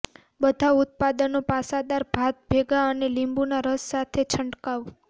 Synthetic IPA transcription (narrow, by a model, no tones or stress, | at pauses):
bəd̪ʱaʊt̪̚pad̪ənopasad̪aɾbʱat̪̚bʱeɡaənelimbunaɾəsːat̪ʰet͡ʃʰəɳʈkaʋ